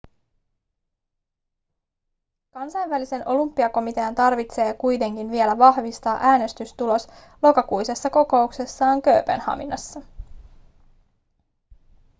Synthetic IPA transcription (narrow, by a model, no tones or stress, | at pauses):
kɑnsɑjnʋælise̞nʔo̞lumpːiɑko̞mit̪e̞ɑnt̪ɑrʋit̪se̞ːkujt̪e̞ŋk̟inʋie̞læʋɑhʋist̪ɑːʔæːne̞st̪yst̪ulo̞s | lo̞kɑkujse̞sːɑko̞ko̞ukse̞sːɑːŋkø̞ːpḛnhɑ̰minɑsːɑ